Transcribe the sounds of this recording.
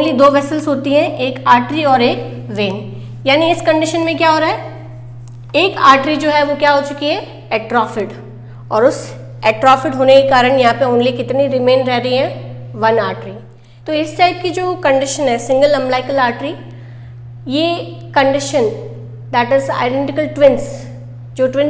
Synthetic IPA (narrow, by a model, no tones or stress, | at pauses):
lid̪oːʋɛsəlsɦoːt̪iɦɛ̃ʔeːkaːɾʈɾiɔːɾeːk | ʋeːn | jaːniɪskɐ̃ɳɖɪʃənmẽkjaɦoːɾaːɦɛ | eːkaːɾʈɾid͡ʒoːɦɛʋokjaɦoːt͡ʃʊkiɦɛ | ɛʈɾɔːfɪʈ | ɔːɾʊs | ɛːʈɾɔːfɪʈɦoːnekekaːɾəɽ̃jɐɦãpeʊnliekɪt̪niɾɪmẽːnɾɛɦɾɐɦiɦɛ̃ | ʋɐnaːɾʈɾi | t̪oɪsːaːɪd̪̚kid͡ʒoːkɐ̃ɳɖɪʃənɦɛsɪ̃ŋɡəlɐ̃mblaːɪkəlaːɾʈɾi | jeː | kɐ̃ɳɖɪʃən | d̪ɛːʈɪza̰ːɪɖɛ̃ɳʈɪkəlʈwʋɪ̃ns | d͡ʒoːʈʋɪ̃n